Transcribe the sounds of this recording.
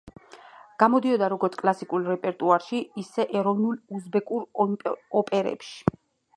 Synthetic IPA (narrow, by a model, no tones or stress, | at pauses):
ɡ̥amɔd̪iɔd̪aɾɔɡɔɾt̪ʰkʼlˠasikʼulˠɾɛpʼɛɾt̪ʼuaɾʃiːsɛʔɛɾɔvnulˠuzbɛkʼuɾɔɔpʼɛɾɛ̰pʃi̥